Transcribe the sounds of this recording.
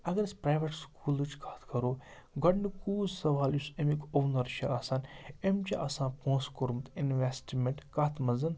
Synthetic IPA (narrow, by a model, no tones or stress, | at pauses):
ɐɡɐɾɐsʲpɾaːjʋeʈskʰuːlɨt͡ʃʰkʰḁt̪ʰkʰɐɾoː | ɡʱɐʈnɨkuːzsɐʋaːljusemikoʋnɐɾt͡ʃʰaɐsaːnemt͡ʃiʔɐsãːnpõːskoɾmt̪inʋesʈmẽɳʈkat̪ʰmɐzɐn